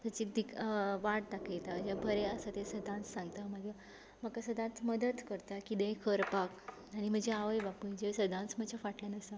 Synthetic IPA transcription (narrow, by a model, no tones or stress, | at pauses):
t̪at͡ɕid̪ikʋaʈ̚d̪akʰajt̪ad͡ʑabʱəɾeəsat̪esəd̪ʱãnt͡ssãŋɡt̪aməɡa | məkasəd̪ʱãnt͡sməd̪ət̪kəɾt̪akid̪ẽkʰəɾpak | aɽ̃im̤əd͡ʑeaʋəjbapəjd͡ʑesəd̪ʱãnt͡smət͡ɕafaʈlanəsa